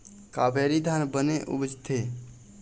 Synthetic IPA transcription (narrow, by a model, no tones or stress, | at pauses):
kabʱeɾid̪ʱanbəneʔṵbd͡ʒt̪ʰe